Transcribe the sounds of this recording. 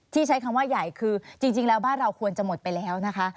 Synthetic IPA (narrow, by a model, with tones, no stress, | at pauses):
t̪ʰiː˥˩t͡ɕʰa˦˥jkʰa˧mwaː˥˩ja˨˩jkʰɯː˧t͡ɕi˧ŋt͡ɕi˧ŋlɛː˦˥wbaː˥˩nɾa˧wkʰu˧ənt͡ɕa˨˩mo˨˩t̪̚pa˧jlɛː˦˥wna˦˥kʰa˦˥